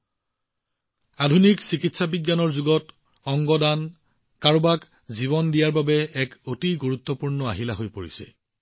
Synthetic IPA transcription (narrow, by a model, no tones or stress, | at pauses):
adʱuniksikitsabiɡjanɔɹzuɡɔt | ɔŋɡɔdan | kaɹbak | ziβɔndijaɹbabɛɛkotiɡuɹut̪ːɔpuɹnɔa̰ɦilaɦojpoɹḭsɛ̰